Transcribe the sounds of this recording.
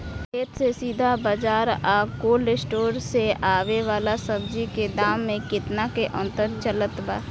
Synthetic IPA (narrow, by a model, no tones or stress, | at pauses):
kʰeːt̪sesiːd̪ʱabəd͡ʒaːɾaːkoːlesʈoːɾseaːʋeʋaːlasəb̚d͡ʒiked̪aːmːẽkɪt̪nakeʔə̃nt̪əɾt͡ʃələt̪baː